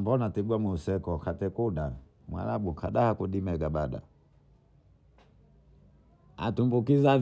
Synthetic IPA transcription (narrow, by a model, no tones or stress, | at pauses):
mbɔnatiɡwamwɛusɛkɔkatɛkuɗa | mwa̰laɓukʰaɗahakuɗimɛɡabaɗa̰ | a̰tumbukizav